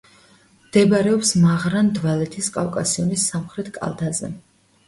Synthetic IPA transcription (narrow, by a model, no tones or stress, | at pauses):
md̪̥ɛbɾɛɔpsmaʁɾand̪valɛt̪ʰiskʼafkʼasiɔnisːamχɾɛt̪ʰkʼa̰lˠd̪azɛ̰